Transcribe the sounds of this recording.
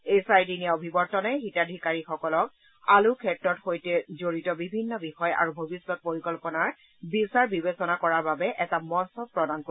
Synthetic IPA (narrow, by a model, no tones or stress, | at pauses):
ejsajdinijaobʱibɔɹtɔnɛxitadʱikaɹixɔkɔlɔk̚ | alukʰɛtɹɔtxojtɛzoɹitɔbibʱinːɔbixɔja̰ɹubʱobisːɔt̚poɹikɔlpɔnaɹ | bisaɹbibesɔnakɔɹaɹbabɛʔɛtamɔnsɔb̚pɹɔdanko